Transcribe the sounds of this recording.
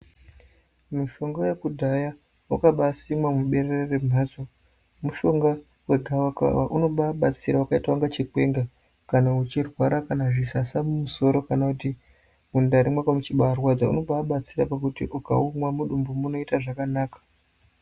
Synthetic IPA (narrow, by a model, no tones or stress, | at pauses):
miʃo̞ŋɡo̞jekudʱaja | wukaɓasimwamuɓe̞rerere̞m̤ʱazo | muʃo̞ŋɡa | we̞ɡʱawaka̰wa̰ʔuno̞ɓaɓat͡siɾaukaitauŋɡat͡ʃikwe̞ŋɡa | kanaut͡ʃirwaɾakanaʐisasamumuso̞ɾo̞kanakuti | mundaɾimwakamut͡ʃiɓaarwad͡zaṵno̞ɓaɓat͡siɾapakutḭʔuka̰umwamuɗumbumuno̞itaʐakanaːkḁ